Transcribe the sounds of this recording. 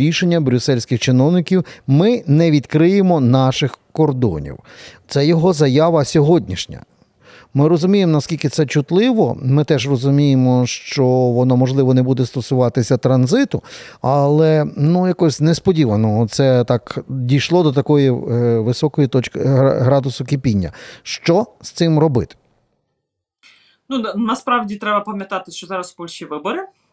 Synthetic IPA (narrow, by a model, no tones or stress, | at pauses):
iʃenʲːɐbɾʲʊsɛlʲsʲkɪxt͡ʃɪnɔwnɪkʲiwmɪnɛʋʲid̪kɾɪjemɔnɑʃɪxkɔrd̪ɔ̰nʲḭwt̪sɛjɔɦɔzɐjaʋɐsʲɔɦɔdʲnʲiʃnʲɐ̰ | mɪɾɔzʊmʲijemɔnɐskʲilʲkɪt̪sɛt͡ʃʊt̪lˠɪʋɔ̰mɪt̪ɛʒrɔzʊmʲijemɔʃt͡ʃɔʋɔnɔmɔʒlˠɪʋɔnebud̪ɛst̪ɔsʊʋɑt̪ɪsʲɐt̪ɾɐnzɪt̪ʊ | ɐlˠɛnujɐkɔsʲnespɔdʲiʋɐnɔɦɔt̪sɛt̪ɑkdʲijʃlˠɔd̪ɔt̪ɐkɔjiʋɪsɔkɔjit̪ɔt͡ʃkɪ̰ɦɾɑd̪ʊsʊkɪpʲinʲːɐ̰ʃt͡ʃɔst̪sɪmrɔbɪ̰t̪ɪ̥ | nunɐspɾɑʋdʲit̪ɾɛbɐpɐmʲjɐt̪ɑt̪ɪʃt͡ʃɔzɑɾɐsbɔlʲʃiʋɪbɔɾɪ